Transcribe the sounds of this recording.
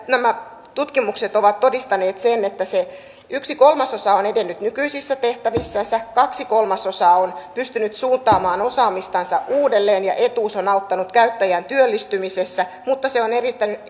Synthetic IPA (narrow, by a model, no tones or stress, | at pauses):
næmæ | t̪ut̪kimukset̪oʋɑt̪tːo̞dist̪ɑneːt̪senet̪ːæse | yksikolmɑso̞sɑːonedenːyt̪nykyisisːæt̪eht̪æʋisːænsækɑksiko̞lmɑsosɑːonpyst̪ynyt̪suːnt̪ˑɑːmɑːno̞sɑːmist̪ɑnsɑʔuːdelːeːnjɑ̰ʔet̪uːsonɑut̪ːɑnut̪kæyt̪ːæjænt̪yølːist̪ymisesːæ | mut̪ːɑseonerit̪ːæny